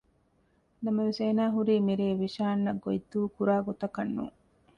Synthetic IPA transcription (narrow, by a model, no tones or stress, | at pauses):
nɐmɐʋeseːnaːɦuɾiːmiɾeːʋiʃaːnːɐɡojd̪ːuːkuɾaːɡot̪ɐkɐnːṵ